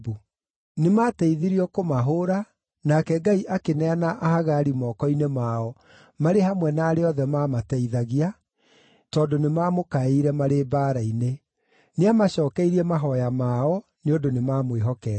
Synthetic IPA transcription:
bu | nemaːtɛiðiɾiɔkomaɦoːɾa | nakɛɡaiʔakenɛanaʔahaɣaɾimɔːkɔinemaɔ | maɾeɦamwɛnaːɾeɔðɛmaːmatɛiðaɣia | tɔːndonemaːmokaiɾɛmaɾebaːɾaine | neamaɕɔːkɛiɾiɛmaɦɔjamaːɔ | neondonemaːmweɦɔkɛ

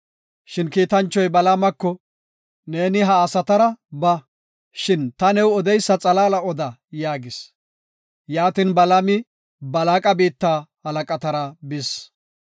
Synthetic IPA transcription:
ʃɪnkiːt̪ɐnt͡ʃːɔjbɐlamɐkːɔ | ne̞ːnɪɦɐːsɐt̪ɐɾɐbɐ | ʃɪnt̪ɐnɛwɔd̪ɛjsːɐt͡sʼɐlaːlɐɔd̪ɐjaːɡɪs | jaːt̪inbɐlɐmɪ | bɐlaːkʼɐbiːt̪ːaːhɐlɐkʼɐt̪ɐɾɐbɪs

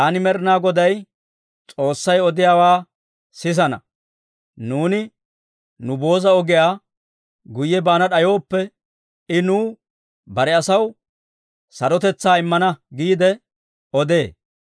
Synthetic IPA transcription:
ɐnɪmɛɾɪnaːɡɔd̪ɐj | t͡sʼo̞ːsːɐjɔd̪ɪjaːwaː | sɪs̬ɐnɐ̰ | nuːnɪ | nʊbo̞ːzɐɔɡɪjaː | ɡʊjːɛbaːnɐɗɐjo̞ːpːɛ | ɪnuː | bɐɾɛɐsɐw | sɐɾɔt̪ɛt͡sːaːɪmːɐnɐɡiːd̪ɛ | ɔd̪eː

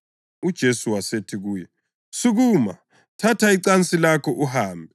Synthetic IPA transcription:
ud̥ʒ̥ʱesuwasetʰiɣuːjɛ | suɣuːma̰ | tʰatʰaiǀant͡sʼilakʰɔʔuhaːmbʱɛ

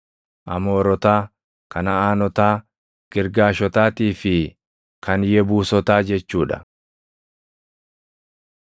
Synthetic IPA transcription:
ʔɐ̰mo̞ːɾɔt̪aː | kɐnɐaːnɔt̪aː | ɡ̥ɪɾɡaːʃɔt̪aːt̪iːfɪ | kɐnjɛbuːsɔt̪aːd͡ʒɛt͡ʃːuːᶑɐ̥̰

